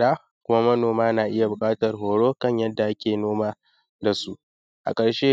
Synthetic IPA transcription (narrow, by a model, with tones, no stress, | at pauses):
ɽaː˦ | kʷʊ˦ma˦mɐ˦noː˨maː˦naː˨ʔɪ˦ja˨bʊ˨kʼaː˦tɐ˨rɦoː˨ɽoː˦kɐ˦˨ɲjɐ˦dːa˨ʔa˦kʲeː˨noː˦maː˦ | da˨su˦ʔ | ʔa̰˨kʼɐ˨ɽʃeː˦